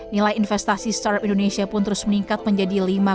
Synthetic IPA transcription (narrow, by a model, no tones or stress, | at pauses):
nilajinfɛst̪asist̪aɾpindonesiapʊnt̪əɾʊsməniŋkat̪̚məɲd͡ʒadilima